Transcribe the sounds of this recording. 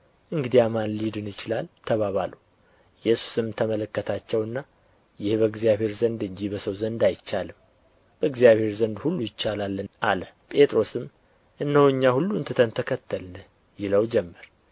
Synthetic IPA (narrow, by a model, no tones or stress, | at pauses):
ʔɨŋɡɨd̪ijamanlid̪ɨnjɪt͡ʃɪlalt̪ʰəβaβalu | jɛsu̥sɨmt̪ʰəmələkːət̪ʰat͡ʃːɛwɨnːa | jɪhbəɡzijaβhe̞ɾzənd̪ɨɲd͡ʒibəsəwzənd̪ajt͡ʃːalɨm | b̥əɨɡzijaβhe̞ɾzənd̪hulːujɪt͡ʃːalalːənʔalə | pʼe̞t̪ʼɾo̞sɨm | ʔɨnːəhuɲːahulːuɨnt̪ʰɨt̪ʰənt̪ʰəkʰət̪ʰːəlnɨ | jɪləwd͡ʒɛmːəɾ